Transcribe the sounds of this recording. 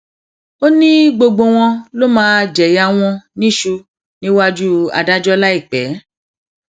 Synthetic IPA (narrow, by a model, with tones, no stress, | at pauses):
o˦nĩ˦ɡ͡bo˧ɡ͡bo˧w̃ɔ̃˧lo˦mãː˦˧d͡ʒɛ˨ja˧w̃ɔ̃˧nĩ˦ʃu˧ | nĩ˦wa˦d͡ʒu˦a̰˨da˦d͡ʒɔ˦la˦i˦˨k͡pɛ˨˦